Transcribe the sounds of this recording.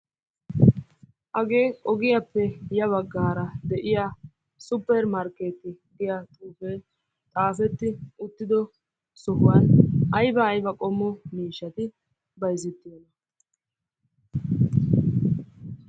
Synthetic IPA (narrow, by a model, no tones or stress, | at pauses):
ʔɐɡe̞ːkʼɔɡɪjɐpːɛjɐβɐɡːaːɾɐd̪ɛʔɪja | sʊpːɛɾmɐɾkeːt̪ːɪɡɪjat̪ʼuːfe | t̪ʼaːfɛt̪ːɪʊt̪ːɪd̪ɔ | sɔhʊwɐnɐjbɐːjbɐkʼɔmːɔmiːʃːɐt̪ɪ | bɐjzɪt̪ːɪjɔnɐ